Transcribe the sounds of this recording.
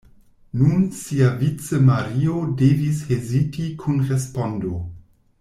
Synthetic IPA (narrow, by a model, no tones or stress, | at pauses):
nunsiavit͡semaɾiode̞vishezitikʰunɾespo̞ndo̞